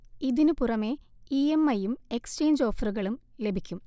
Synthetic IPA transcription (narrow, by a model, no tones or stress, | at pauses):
iðinupurɐme̞iemːɐjumekst͡ɕe̞ːɲd͡ʑo̞ːfɐruɣɐɭumle̞bʱikʲːum